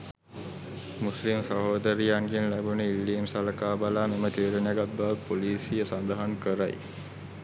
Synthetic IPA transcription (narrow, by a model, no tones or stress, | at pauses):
muslimsəɦoːd̪əɾijaŋɡenlæbuniilːiːmsaləkaːbalaːmemət̪iːɾenjaɡat̪̚baʋəpoliːsijəsand̪əɦaŋkəɾa̰j